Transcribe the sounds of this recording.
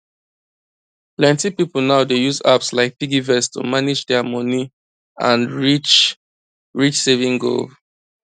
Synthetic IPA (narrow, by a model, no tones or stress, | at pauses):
plɛ̃ntipipl̩ˠnaʊdejuza̰pslaɪk̚piɡivɛstʰṵmanɪd͡ʒdɛəmɔni | ãnɹit͡ʃ | ɹit͡ʃsevĩŋɡo̰l